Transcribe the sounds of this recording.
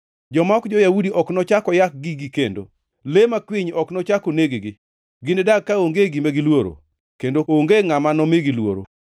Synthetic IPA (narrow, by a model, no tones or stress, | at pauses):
d͡ʒɔmaɔkd͡ʒɔjaudiʔɔknɔt͡ʃakɔjak̚ɡɪɡikendo̰ | lemakwiɲɔknɔt͡ʃakoneɡeɡɪ | ɡɪnɛdakːaoŋɡeɡimeɡɪlwoɾo̰ | kendooŋɡeŋamanɔmeɡɪlwo̰ɾo̰